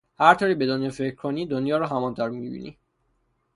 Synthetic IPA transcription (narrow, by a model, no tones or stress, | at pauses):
hæɾt̪ʰoːɾiːbe̞d̪onjɒːfecʰɾkʰoniːd̪onjɒːɾɔːɦæmɒnt̪ʰæɾmiḭbḭnḭ